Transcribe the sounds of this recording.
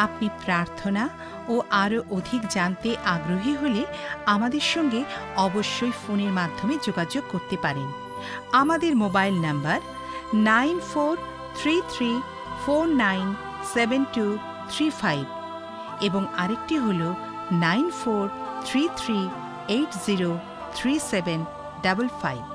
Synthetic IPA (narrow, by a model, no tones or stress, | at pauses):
apnipɾaɾt̪ʰona | oʔaɾoʔod̪ʱikd͡ʑant̪eʔaɡɾoɦiɦoleamad̪eɾʃɔŋɡeɔboʃːojfoneɾmad̪ʱːomed͡ʑoɡad͡ʑoɡ̚koɾt̪epaɾen | amad̪eɾmobajlnambaɾ | najnfoɾ | t̪ʰɾit̪ʰɾi | foɾnajn | sebenʈu | t̪ʰɾifajb | eboŋaɾek̚ʈiɦolo | najnfoɾt̪ʰɾit̪ʰɾi | ejʈziɾo | t̪ʰɾiseben | ɖabolfajb̚